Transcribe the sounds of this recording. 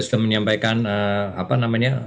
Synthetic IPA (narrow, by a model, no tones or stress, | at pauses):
st̪əməɲampajkanəa̰panamaɲa